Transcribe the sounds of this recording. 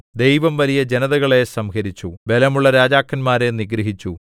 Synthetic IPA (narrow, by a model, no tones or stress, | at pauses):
d̪e̞jʋɐmʋɐlijɐd͡ʑe̞nɐðɐɣɐɭe̞sɐmkɐɾit͡ɕːube̞lɐmuɭːɐɾaːd͡ʑaːkːɐnmaːɾe̞niɡɾɐɦit͡ɕːu